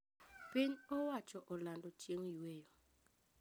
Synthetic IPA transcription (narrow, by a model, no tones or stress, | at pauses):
pɪɲɔwat͡ʃɔʔɔlandɔt͡ʃjeŋiwejo